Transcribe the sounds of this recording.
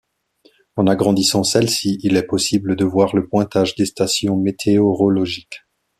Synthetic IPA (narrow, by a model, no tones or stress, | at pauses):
ɑ̃naɡʁɑ̃d̪isɑ̃sɛlsiilɛpɔsibləd̪əvwaʁləpwɛ̃t̪aʒd̪est̪asjɔ̃met̪ʰeɔʁɔlɔʒik